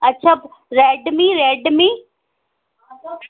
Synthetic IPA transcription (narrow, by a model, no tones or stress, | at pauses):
ɐtːʃʰaːɾeːɖmĩɾeɖmĩ